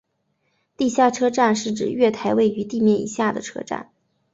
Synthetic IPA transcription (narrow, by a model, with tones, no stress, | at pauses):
t̪i˥˧ɕja˥˩ʈ͡ʂʰɤ˥ʈ͡ʂa˥˧nʂɻ̩˥˩ʈ͡ʂɻ̩˨˩ɥɛ˥˩t̪ʰa˧˥ɪwe˥˩ɪy˧˥t̪i˥˧mjɛ˥˩nḭ˨˩ɕja˥˩d̪ə˩ʈ͡ʂʰɤ̰˥ʈ͡ʂa̰˥˩n